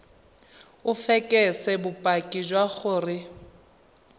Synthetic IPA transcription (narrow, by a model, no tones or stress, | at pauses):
ʊfɛkʼɛsɛbʊpʼakʼid͡ʒwaχʊːrɪ